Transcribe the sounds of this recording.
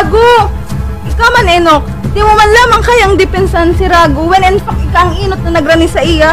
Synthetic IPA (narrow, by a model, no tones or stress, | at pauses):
ɡo | ʔɪkamɐnɛnok̚ | d̪ɪmʊmɐnlaːmɐŋkɐjaŋd̪ɪpɛnsaɐnsɪɾaːɡowɛnɛnpɐkʔɪkaʔɐŋʔiːnot̪̚nɐnɐɡɾanɪsɐʔɪja